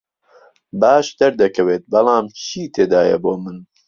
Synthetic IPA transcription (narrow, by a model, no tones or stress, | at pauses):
baːʃd̪ɐɾd̪ɐkɐweːt̪̚bɐlˠɑːmt͡ʃʰiːt̪ʰeːd̪aːjɐ̰boːmɨn